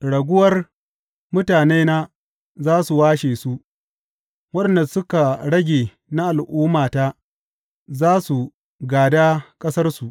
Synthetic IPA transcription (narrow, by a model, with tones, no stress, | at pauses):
ɽɐ˨ɡʷʊ˦wɐ˦r | mʊ˦taː˨neː˦naː˦ | zaː˦su˨waː˦ʃeː˨su˦ʔ | wɐ˦˨nda˨sʊ˦ka˨ɽɐ˦ɡʲeː˨ | na˦ʔa˨lʔuː˦maː˨ta˦ | zaː˦su˨ | ɡaː˨daː˦kʼɐ˦sɐ˦rsu˨ʔ